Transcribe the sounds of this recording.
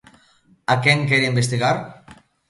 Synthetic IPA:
akɛŋkɛɾiimbest̪iɣaɾ

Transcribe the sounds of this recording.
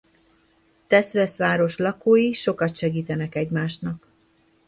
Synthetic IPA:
t̪ɛsʋɛsʋaːɾo̞ʃlɒkoːjiʃo̞kɒt̪ʃɛɡiːt̪ɛnɛkɛɟmaːʃnɒk

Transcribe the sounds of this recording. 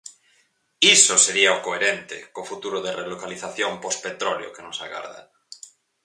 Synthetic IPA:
isoseɾiaokoeɾent̪ḛkofut̪uɾoð̞erelokaliθaθjompospet̪ɾoljo̰kenosa̰ɣa̰ɾða̰

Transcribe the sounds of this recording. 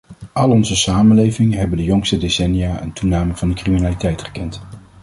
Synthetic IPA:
ʔɑlˠɔnzəsaːmənlejvɪŋəɦɛbəndəjɔŋstədesɛnijaːʔə̰ntunaːməŋv̥ɑndəkriminaːlitɛjtχə̥kɛnt

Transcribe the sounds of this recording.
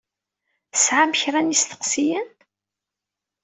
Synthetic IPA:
sʕaməçɾænist̪ə̥qsijən

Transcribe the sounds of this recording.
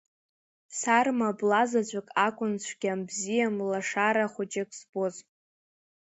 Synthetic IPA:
sarmablazat͡ɕʷʼakʼakʷʼʊnt͡ɕʷʰɡʲambzijamlaʂaɾaχʷot͡ʃekʼsboz

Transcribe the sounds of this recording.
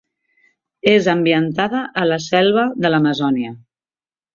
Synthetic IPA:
ezəmbiənt̪aðəʔːləsɛlˠβəðələməzɔniə

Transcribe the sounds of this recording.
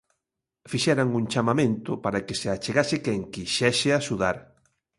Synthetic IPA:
fiʃɛɾaŋuŋt͡ʃamamẽnt̪ʊpaɾakeseat͡ʃeɣasɪkɛŋkiʃɛʃɪaʃuðaɾ

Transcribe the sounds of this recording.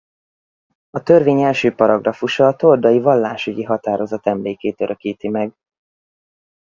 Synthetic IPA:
ɒt̪ø̞rveːɲɛlʃøːpɒɾɒɡrɒfuʃɒːt̪o̞ld̪ɒjivɒlːaːʃyɟiɦɒt̪aːɾo̞zɒt̪ɛmleːkeːt̪øɾʔøkiːt̪imɛɡ

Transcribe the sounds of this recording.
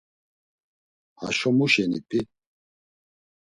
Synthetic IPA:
ha̰ʃɔmuʃɛnipʰʼi

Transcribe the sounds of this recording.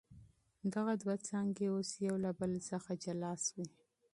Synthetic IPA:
d̪aɣad̪wat͡sɑŋɡeosjawlabəlsəxad͡ʒalɑswi

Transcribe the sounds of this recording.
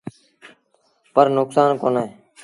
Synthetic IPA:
pəɾnʊksaːnkoːnaeː

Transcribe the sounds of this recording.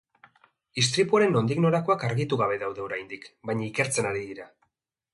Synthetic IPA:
ist̪ɾipuaɾe̞no̞nd̪iɣno̞ɾako̞akaɾɣit̪uɣaβe̞ðawðe̞o̞ɾajnd̪ikbaɲaike̞ɾt͡se̞naɾiðiɾa

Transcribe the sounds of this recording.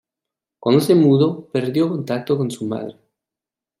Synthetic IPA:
kwand̪osemuðopeɾðjokont̪ak̚t̪okonsuma̰ðɾe

